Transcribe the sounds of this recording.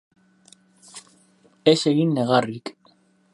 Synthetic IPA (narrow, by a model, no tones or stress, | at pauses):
ese̞ɣinːe̞ɣ̞arik